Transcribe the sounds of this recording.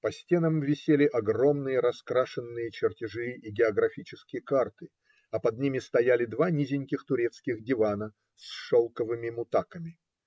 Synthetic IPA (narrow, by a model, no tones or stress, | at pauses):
pɐsʲtʲe̞nəmvʲɪsʲelʲɪʔɐɡro̞mnɨjəɾɐskɾaʂɨnːɨjət͡ɕɪrtʲɪʐɨiɡʲɪɐɡɾɐfʲit͡ɕɪskʲɪjəkart̪ɨ | ɐpɐd̪̚nʲimʲɪst̪ɐjalʲɪd̪vanʲizʲɪnʲkʲɪxt̪ʊɾʲe̞t̪skʲɪxdʲɪvanə | sʂolˠkəvɨmʲɪmʊt̪akəmʲɪ